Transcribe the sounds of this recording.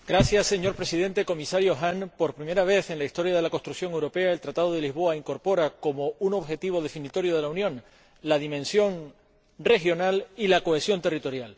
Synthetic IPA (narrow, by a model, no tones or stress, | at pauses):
ɡ̥ɾasjasːe̞ɲo̞ɾpɾe̞siðe̞nt̪e̞ko̞misaɾjoɦaŋpo̞ɾpɾime̞ɾaβ̞e̞θe̞nlaist̪o̞ɾjað̞e̞lako̞st̪ɾukθjo̞ŋewɾo̞pe̞ae̞lt̪ɾat̪að̞o̞ð̞e̞lizβo̞aiŋko̞ɾpo̞ɾako̞mo̞uno̞βxe̞t̪iβo̞ðe̞finit̪o̞ɾjoð̞e̞launjõ̞n | lað̞imẽ̞nsjo̞ŋ | re̞xjo̞nalilako̞e̞sjo̞nt̪e̞rit̪o̞ɾjal